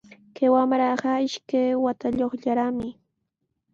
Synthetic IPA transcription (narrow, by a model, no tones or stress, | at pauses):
kewamɾɑɢɑɪʃkajwat̪aʎoχʎaɾamɪ